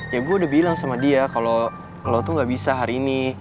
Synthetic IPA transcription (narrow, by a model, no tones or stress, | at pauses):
jaɡuaudahbilaŋsamadiakalo | lot̪uŋɡaʔbisaɦaɾiːni